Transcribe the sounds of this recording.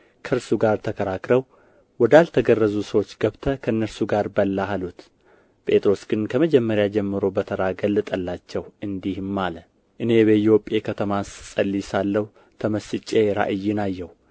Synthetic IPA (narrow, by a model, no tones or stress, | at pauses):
kʰəɨɾsuɡaɾt̪ʰəkʰəɾakɾəw | wɔd̪alt̪ʰəɡərːəzusəwo̞t͡ʃːɡəβt̪ʰəkʰəɨnːəɾsuɡaɾbəlːahalut̪ | pʼe̞t̪ʼɾo̞sɡ̥ɨnkʰəməd͡ʒɛmːəɾjad͡ʒɛmːɨɾo̞bət̪ʰəɾaɡəlːɨt̪ʼəlːat͡ʃːɛwʔɨnd̪ihmːalə | ʔɨne̞bəijo̞pʼːe̞kʰət̪ʰəmassʼəlːisalːəw | t̪ʰəməsɨt͡ʃʼːeɾa̰ʔɨjːɪnajːɛw